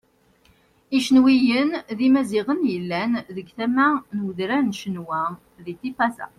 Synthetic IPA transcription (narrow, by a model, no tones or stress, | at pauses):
iʃənwijənðimæziʁənjəlːænðəɡθæmænwəðɾænʃənwæ | ðit̪ifɑsæ̰